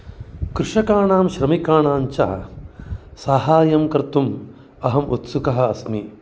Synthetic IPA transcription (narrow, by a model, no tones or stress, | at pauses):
kɾuʂɐkaːɳaːmʃɾɐmikaːɳaːɲt͡ʃɐ̰ɐ | saːɦaːjɐmkɐɾt̪um | ɐɦɐmʔut̪sukɐɦɐ̆ɐsmi